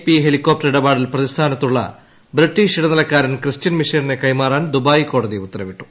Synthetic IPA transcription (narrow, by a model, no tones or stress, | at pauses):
pːiɦe̞likːo̞ːp̚ʈɐɾiɽɐbaːɽilprɐðist̪ʰaːnɐt̪ːuɭːɐ̰ | briʈːiːʂiɽɐnɐlɐkːaːɾɐnkrɨstɐnmiʂɐnine̞kɐjmaːraːnd̪ubaːjiko̞ːɽɐðiut̪ːɐrɐʋiʈːu̥